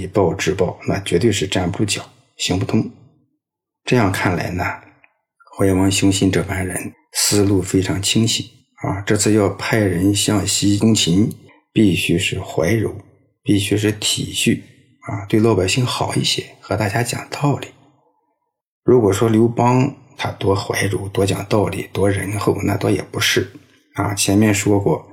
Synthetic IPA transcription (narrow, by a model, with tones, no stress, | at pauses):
i˧˩pɑ˥˧ʊʈ͡ʂɻ̩˥˧pɑ˥˩ʊna̰˥˩t͡ɕɥɛ˧˥t̪we˥˧ɪʂɻ̩˥˧ʈ͡ʂa˥˩npu˥˩ʈ͡ʂu˥˩t͡ɕjɑ˨˩˦ʊ | ɕi˧˥ŋpu˥˩t̪ʰʊ˥ŋ | ʈ͡ʂɤ˥˧jɑ˥˧ŋkʰa˥˩nla̰˧˥ɪnə˧ | xwa˧˥ɪwɑ˧˥ŋɕjʊ˥ŋɕi˥nʈ͡ʂɤ˥˩pa˥nɻə˧˥n | sɹ̩˥lu˥˩fe˥ɪʈ͡ʂʰɑ˧˥ŋt͡ɕʰi˥ŋɕi˨˩˦ | a̰˧ʈ͡ʂɤ˥˧t͡sʰɹ̩˥˧jɑ˥˧ʊpʰa˥˩ɪɻə˧˥nɕjɑ˥˩ŋɕi˥kʊ˥ŋt͡ɕʰi˧˥n | pi˥˩ɕy˥ʂɻ̩˥˩xwa˧˥ɪɻu˧˥ | pi˥˩ɕy˥ʂ̬ɻ̩˥˩t̪ʰi˨˩ɕy˥˩ | a̰˧t̪we˥˧lo˥˩pa˨˩ɪɕi˥˩ŋxɑ˨˩ʊi˥˩ɕjɛ̰˧˥xɤ˧˥t̪a˥˩t͡ɕja˥t͡ɕjɑ̰˨˩ŋt̪ɑ˥˩ʊli˨˩˦ | ɻu˧˥kwɔ˨˩ʂwɔ˥ljo˧˥ʊpɑ˥ŋ | t̪ʰa˥t̪wɔ˥xwa̰˧˥ɪɻu˧˥t̪wɔ˥t͡ɕjɑ̰˨˩ŋt̪ɑ˥˩ʊlḭ˨˩t̪wɔ˥ɻə˧˥nxo˥˩ʊna̰˥˩t̪wɔ˥jɛ̰˨˩pu˧˥ʂɻ̩˥˩ | a̰˧˩t͡ɕʰjɛ˧˥nmjɛ˥˩nʂwɔ˥kwɔ˥˩